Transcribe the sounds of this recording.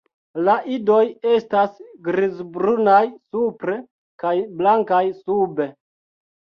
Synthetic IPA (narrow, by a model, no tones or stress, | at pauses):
laʔido̞je̞stasɡɾizbɾunajsupɾe̞ | kajblaŋkajsube̞